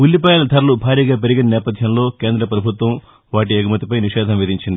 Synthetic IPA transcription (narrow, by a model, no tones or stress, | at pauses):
ulːipɐjɐːlɐd̪ʰʱɐɾɐlubʱaːɾiːɡaːp̬eɾiɡinɐnɛːpɐd̪ʱjɐmlo̞ːke̞ːnd̪ɾɐpɾɐbʱut̪ʋɐm | ʋaːʈ̬iɐɡumɐt̪ipɐjniʃɛːd̪ʱɐmʋid̪iɲt͡ʃind̪i